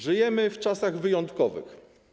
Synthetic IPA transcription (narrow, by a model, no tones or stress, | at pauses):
ʐɘjɛmɘft͡ʂasaɣvɘjɔnt̪kɔvɘ̰x